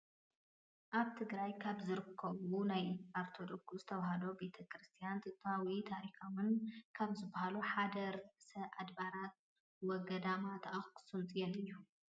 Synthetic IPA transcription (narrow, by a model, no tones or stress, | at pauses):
ʔaβt̪ʰɨɡɾajkʰaβzɨɾɨkʰːɐβunajaɾt̪ʰod̪oɡsuzɨt̪ʰɐβaɦalo̞be̞t̪ʰɐkʰɾɨst̪ʰijant̪ʰɨt̪ʰʼawit̪ʰaɾixawɨnkʰaβzɨbːahaluħad̪ɐɾsɐʔad̪baɾat̪̚ | wɔɡɐd̪amat̪ʰʔaxkʼɨ̥sɨlt̪ʼjɛlɨjːu